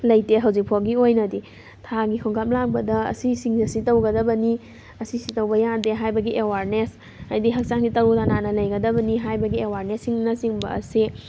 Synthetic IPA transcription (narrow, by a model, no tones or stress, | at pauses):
lɐjteɦɐwzik̚pʰoɡiojnɐdi | tʰaɡikʰɔŋɡap̚lak̚bɐdɐɐ̰sisiŋzɐsitɐwɡɐdɐbɐni | ɐsisitɐwbɐjadeɦajbɐɡiʔewaɾnes | ajdiɦɐk̚t͡ʃaŋ̚ditɐɾutananɐlɐjɡɐdɐbɐniɦajbɐɡiewaɾnesːiŋnɐsiŋbɐ̰ɐ̰si